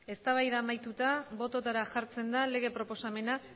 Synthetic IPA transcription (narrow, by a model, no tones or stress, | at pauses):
e̞st̪aβ̞ajðaːmajt̪ut̪aβo̞t̪o̞t̪aɾaʝaɾt͡se̞nd̪ale̞ɣ̞e̞pɾo̞po̞same̞na